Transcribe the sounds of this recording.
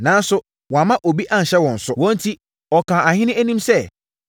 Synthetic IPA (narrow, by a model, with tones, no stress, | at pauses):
nãː˨˦n˦sʊ˦ | wɔ̃˨a˨mã˦ʔo˨bi˦ʔã˨ɲ̩˨ɕɛ˦wɔ̃˨n̩˨sʊ˦wɔ̃˦n̩˦tʰi˦ | ɔ˨kʰãː˨a˨hɪ̃˦nɪ̃˦æ˦nĩ˦msɛ˦˨